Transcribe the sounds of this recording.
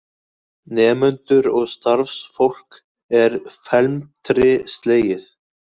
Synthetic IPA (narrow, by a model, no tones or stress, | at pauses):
nɛːmʏnt̪ʏɾɔɣst̪aɾfsfowl̥k | ɛɾfɛlmt̪ʰɾɪst̪leːjɪθ